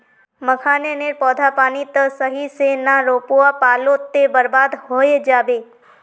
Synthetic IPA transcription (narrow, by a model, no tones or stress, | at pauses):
məkʰaneneɾpɔd̪ʱapanit̪əsəɦisenaɾopuapalot̪ːebəɾbad̪ɦojed͡ʒaʋe